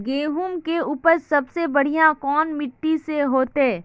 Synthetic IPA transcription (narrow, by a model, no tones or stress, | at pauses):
ɡeːɦumkeuːpəɾsɐbsebɐɽ̤ijãkɔːnmɪʈːiseɦoːt̪eː